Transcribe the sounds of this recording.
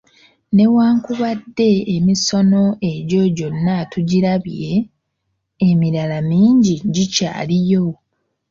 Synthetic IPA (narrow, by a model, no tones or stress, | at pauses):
ne̞waːŋkuβadːe̞ːmiso̞no̞ʔe̞ɟo̞ɟo̞nːatuɟiɾaβije̞ | miɾalamiːɲɟiɟica̰ːlijo̞